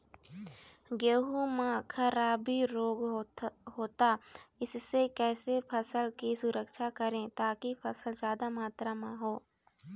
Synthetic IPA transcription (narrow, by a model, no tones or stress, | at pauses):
ɡeɦumãkʰəɾaːbiɾoːɡɦoːt̪aɪsːekɛːsepʰɐsəlkisʊɾəkʃakəɾẽt̪aːkipʰɐsəlzjaːd̪amaːt̪ɾamãɦoː